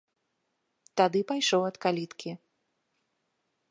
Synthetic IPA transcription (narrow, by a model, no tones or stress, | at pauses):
t̪ad̪ɨpajʂɔwɐt̪kalʲit̪kʲi